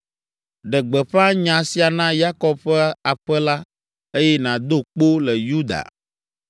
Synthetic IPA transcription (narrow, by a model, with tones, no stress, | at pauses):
ɖɛ˨ɡ͡bɛ˨ɸa˦ɲã˨si˨˦a˨nã˦ja˦kɔ˦b̚ɸɛ˦a˨ɸɛ˦la˦ | e˦jɛ˦nã˨d̪o˦k͡po˦lɛ˨ju˦d̪a̰˨